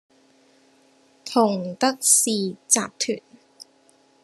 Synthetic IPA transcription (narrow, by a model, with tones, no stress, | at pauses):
t̪ʰʊ˨˩ŋt̪ɐ˦˥k̚siː˨˧t͡sa̰ː˨p̚t̪ʰy̰ː˨˩n